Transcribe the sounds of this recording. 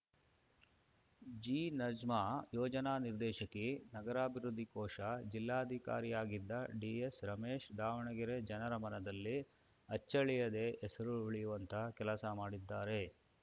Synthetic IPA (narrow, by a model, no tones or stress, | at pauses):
d͡ʒiːnɐd͡ʒmaːjɔːd͡ʒɐnaːniɾd̪ɛːʃɐkːenɐɡɐɾaːbʱiɾud̪ʱːikɔːʂɐd͡ʒilːaːɐd̪ʱika̰ːɾijaːɡid̪ːɐɖiesɾɐmeːʃd̪aːʋɐɳɐɡiɾed͡ʒɐnɐɾɐmɐnɐd̪ɐlːi | ɐt͡ʃːɐɭijɐd̪e̞ʔɛsɐɾuuɭijuʋɐnt̪ʰɐkɛlɐsɐmaːɽid̪ːaːɾe̞